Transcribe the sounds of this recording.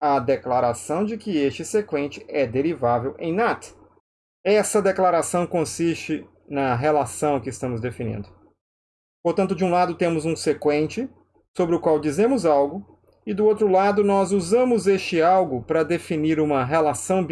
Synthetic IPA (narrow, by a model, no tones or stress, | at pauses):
ɐd̪eklaɾasɐ̃w̃d͡ʒɪkɪest͡ʃɪsekwẽnt͡ʃɪ̥ɛd̪eɾivavewʔḛ̃j̃nat̪ | ɛsɐd̪eklaɾasɐ̃w̃kõsist͡ʃɪ | nɐɦelasɐ̃w̃kɪːst̪ɐ̃mʊzd̪efinḭ̃nd̪ʊ | poɾt̪ɐ̃nt̪ʊd͡ʒɪũlad̪ʊt̪ẽmʊzũsekwẽnt͡ʃɪ | sobɾɪʊkwawd͡ʒizẽmʊzawɡʊ | ɪd̪ʊowt̪ɾʊlad̪ʊnɔzuzɐ̃mʊzest͡ʃɪawɡʊpɾɐd̪efiniɾũmɐɦelasɐ̃w̃b